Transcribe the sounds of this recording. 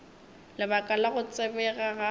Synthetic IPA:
lɪbakʼalaɣʊt͡sʼɪbɛɣaɣa

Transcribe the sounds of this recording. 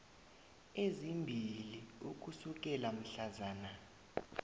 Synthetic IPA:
ezimbʱiliuk̬ʼusuk̬ʼɛlam̩ɬazaːna

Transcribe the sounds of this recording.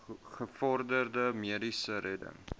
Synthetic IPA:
χəfɔrdərdəmiədisəɾɛdə̰ŋ

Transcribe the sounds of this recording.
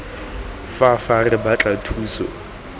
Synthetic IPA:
fafarɪbat͡ɬʼatʰuːsɔ̰

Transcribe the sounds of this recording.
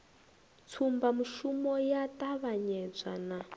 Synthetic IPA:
t͡sʰumbamuʃumɔjatʼaβaɲɛd͡zʷa̰na

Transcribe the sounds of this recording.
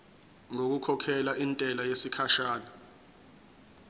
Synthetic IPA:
ŋok̬ukʰɔkʰɛlaʔintʼɛlajesikʰaʃaːla

